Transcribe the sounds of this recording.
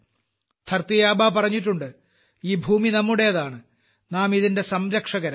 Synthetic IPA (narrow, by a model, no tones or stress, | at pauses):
t̪ʰɐrt̪ijaːbaːpɐrɐɲːitːuɳɖɨ | iːbʱuːminɐmːuɽe̞jɐðaːɳɨ | naːmiðinde̞sɐmɾɐkʂɐɣɐɾɐm